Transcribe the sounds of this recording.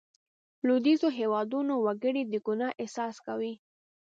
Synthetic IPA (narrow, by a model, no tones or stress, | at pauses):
lod̪izoɦewɑd̪unowaɡəɽid̪əɡunɑʔesɑskawi